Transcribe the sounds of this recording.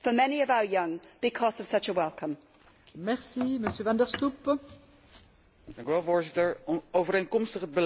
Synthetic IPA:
fəmɛniəvaʊə˞jʌ̃ŋb̥ɪkʰɒzəv̥sʌt͡ʃəwɛlˠkʰə̃m | mɛɹsiməsjøːvɑ̃ndəɹstup | d̥ɑŋkyʋɛlˠvoːɹzɪtəɹɔowvəɾejnkɔmstəχəd̚bəl

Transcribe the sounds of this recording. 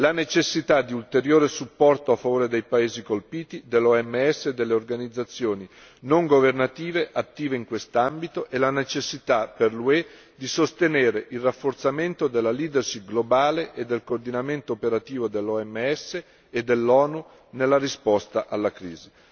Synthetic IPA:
lanet͡ʃesːit̪ad̪ːiult̪eɾjoːɾesupːɔrt̪oafːavoːɾed̪ejpaeːzikolpiːt̪id̪elːɔɛmːeɛsːeːd̪ːelːeorɡanid̪zːat̪sːjoːni | noŋɡovernat̪iːveʔat̪ːiːveiŋkwest̪ambit̪oʔelanet͡ʃesːit̪aperlue | d̪isost̪eneːɾeʔilrːafːort̪sament̪od̪elːaliːd̪erʃiɡlobaːleʔed̪ːelkoːrd̪inament̪oːpeɾat̪iːvod̪elːɔɛmːeɛsːeː | d̪ːelːɔːnu | nelːaɾispɔst̪aʔalːakɾiːzi

